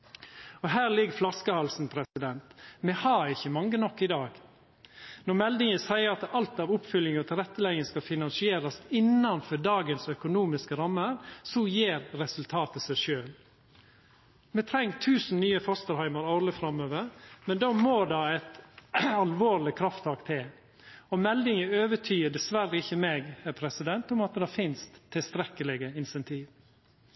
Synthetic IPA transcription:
ɔɦæːɾlɪɡflɑskəhɑlsn̩pʰɾɛsɪd̪ɛnt̪mɛhɑɾɪçːəmɑŋːənɔkːɪd̪ɑːɡ | nɔɾmɛld̪ɪŋəsæɪəɾɑt̪ɑlt̪ɑːʋʊpfʏlɪŋɔt̪ʰɪlɾɛt̪ːəlɛŋːəskɑfɪnɑnsɪeːɾɑsɪnːɑnfɔdɑːɡənsœkʊnuːmɪskəɾɑmːəɾsɔjeːɾɾɛsʉlt̪ʰɑːt̪əsæɪʃøːl | mɛt̪ʰɾɛŋːt̪ʰʉːsn̩nyːəfɔst̪əɾhɑɪmɑɾɔɾləfɾɑmøːʋəɾmɛnd̪ɑːmoːdɑæɪt̪ɑlʋoːɾlɪkʰɾɑft̪ʰɑːkt̪ʰɪl | ɔmɛld̪ɪŋəøːʋəʈʰyːəɖɛsʋæɾːəɪçəmeːɡhæɾpʰɾɛsɪd̪ɛnt̪ʊmɑt̪d̪ɑːfɪnst̪ʰːɪlst̪ɾɛkəlɪɡəɪnsɛnt̪ʰiːʋ

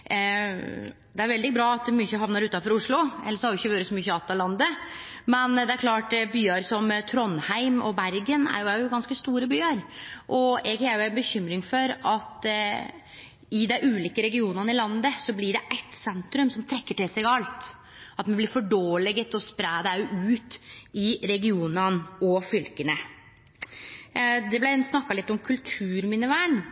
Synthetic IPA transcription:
d̪ɛæɾʋɛld̪ɪbɾɑːɑt̪myːçəɦɑʋnɑɾʉːt̪ɑfɔɾʊʂɭʊɛlːəsɔhɑɾjʊɪçːəʋøːɾəsɔmyːçəɑt̪ːɑlɑnd̪ə | mɛnd̪ɛæɾkʰlɑːʈbyːɑɾsɔmt̪ʰɾɔnːhæɪmɔ̰bæɾɡənæ̰ɾjʊjʊɡɑnskəst̪uːɾəbyːɑɾʔɔɛɡhæɾjʊæɪnbəçʏmːɾɪŋfɔɾɑt̪ | ɪd̪æɪʔʉːliːkəɾɛɡɪuːnɑnəɪlɑnd̪əsɔblɪɖɛʔæt̪sɛnt̪ɾʉmsɔmt̪ʰɾɛkːəʈɪlsɛɡɑlt̪ | ɑt̪mɛnblɪɾfɔɖoːlɛɡət̪ɔspɾæːd̪æjʊʔʉːt̪ɪɾɛɡɪuːnənɔfʏlkənə | d̪ɛblæsnɑkːɑlɪt̪ːɔmkʰʉlt̪ʰʉːɾmɪnəʋæːɳ

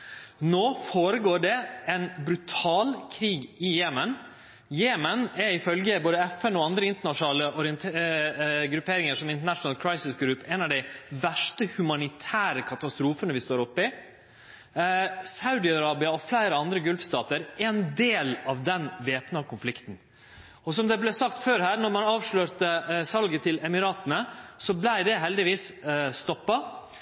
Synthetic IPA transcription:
noːfoːɾəɡoːɖɛɛnbɾʉt̪ʰɑːlkʰɾiːɡɪjeːmən | jeːmənɛɾɪfœlɡəboːd̪əɛfɛnɔɑnd̪ɾəɪnt̪əɳɑʂnɑːləʔɔɾɪənt̪ʰ | ɡɾʉpʰːeːɾɪŋəʂɔmɪnt̪əɳɑʂnəlkʰɾɑɪsɪsɡɾʉpɛnɑʋd̪æɪʋæʂʈəhʉmɑnɪt̪ʰæːɾəkʰɑt̪ɑst̪ɾuːfənəʋɪst̪oːɾɔpːɪ | saʉd̪ɪɑɾɑːbɪɑɔflæɪɾəɑnd̪ɾəɡʉlfst̪ɑːt̪əɾɛnd̪eːlɑʋd̪ɛnʋeːpnɑkʰʊnflɪkt̪n̩ | ɔs̬ɔmd̪ɛblɛsɑkt̪føːɾhæːɾnɔɾmɑnɑːʋʂløːɾt̪əsɑlɡət̪ʰɪlɛmɪɾɑːt̪ənəsɔblæɪd̪ɛɦɛld̪ɪʋiːsst̪ɔpːɑ

